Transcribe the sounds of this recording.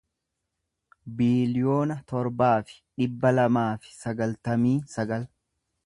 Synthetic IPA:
biːlɪjo̞ːnɐt̪ɔɾbaːfɪ̥ᶑɪbːɐlɐmaːfɪ̥sɐɡɐlt̪ɐmiːsɐɡɐl

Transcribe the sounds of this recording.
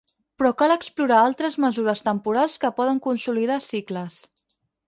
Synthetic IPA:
pɾɔkaləkspluɾaalˠt̪ɾəzməzuɾəst̪əmpuɾalˠskəpɔðəŋkunsuliðasikləs

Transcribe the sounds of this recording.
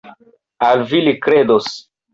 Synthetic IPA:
alvilikɾedos

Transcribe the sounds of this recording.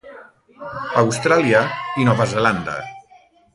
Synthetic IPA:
awst̪ɾaliainɔβazeland̪a̰

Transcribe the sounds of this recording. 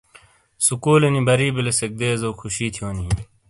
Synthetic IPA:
sukuːlenibɐɾiːbilesek̚d̪eːzoːkʰuɕiːt̪ʰijoːni

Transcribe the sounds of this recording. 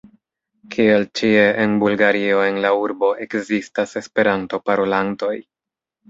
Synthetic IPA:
kʰie̞lt͡ʃie̞ʔenbulɡaɾio̞e̞nlauɾbo̞ʔe̞kzistase̞spe̞ɾanto̞paɾolanto̞j

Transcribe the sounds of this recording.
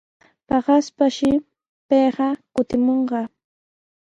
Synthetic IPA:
pɑɢɑspaʃɪ | peːɢɑkʊt̪ɪmoɴɢɑ

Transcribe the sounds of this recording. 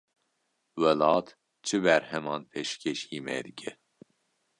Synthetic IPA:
wɛlɑːt̪ | t͡ʃʰɨbɛɾhɛmɑːnpʰeːʃkʰeʃiːmɛ̰d̪ɨkʲʰɛ

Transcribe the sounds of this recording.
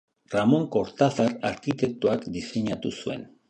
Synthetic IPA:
ramo̞ŋko̞ɾt̪aθaɾaɾkit̪e̞k̚t̪uakd̪iseɲat̪usue̞̰n

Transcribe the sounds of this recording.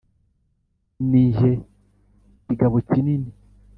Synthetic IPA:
niːɲʒe | ciɡaβocinini

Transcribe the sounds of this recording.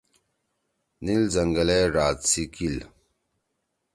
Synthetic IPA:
nilzɐŋɡɐleɾaːt̪sikil

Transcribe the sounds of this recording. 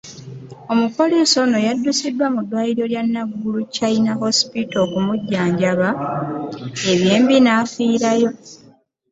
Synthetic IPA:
o̞mupo̞leso̞no̞jadːusidwamudːwaːjiɾjo̞ljanːaɡːulucainaɦo̞spito̞kumuɟːaːɲɟaβa | e̞βjeːmbinaːfiːɾajo̞

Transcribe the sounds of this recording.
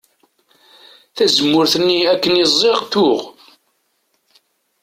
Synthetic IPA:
θæzəmːʊɾθənːiækːənizˤːeʁt̪ʊʁ

